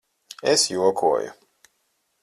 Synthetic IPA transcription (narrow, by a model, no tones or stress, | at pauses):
esjuɔkʰṵɔjṵ